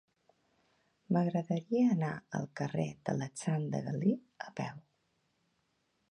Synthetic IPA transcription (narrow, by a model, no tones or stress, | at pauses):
məɣɾəðəɾiəːnaə̰lˠkəred̪̥ə̰lət͡sand̪ə̰ɣəli | əpɛw